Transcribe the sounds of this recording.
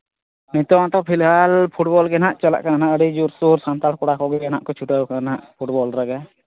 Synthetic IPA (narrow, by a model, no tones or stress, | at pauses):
nit̪ɔãʈɔpʰilɦalpʰuʈbɔlɡɛnaʔt͡ʃala̰ʔkananaʔəɽid͡ʒuɾsuɾsant̪alkɔɽakɔɡɛɡɛnaʔkɔt͡ʃʰuʈaukanaʔpʰuʈ̚bɔlɾaɡɛ